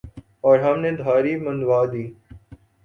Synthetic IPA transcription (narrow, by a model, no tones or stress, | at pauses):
ɔːɾɦɐmnẽːd̪ʱaːɾiːmənd̪ʋaːd̪iː